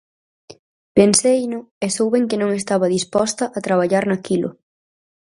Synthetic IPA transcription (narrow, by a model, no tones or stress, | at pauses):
pensejnʊɛsowβɛŋkɪnõŋest̪aβɐðispɔst̪ɐʔat̪ɾaβ̞aʎaɾnakilʊ̰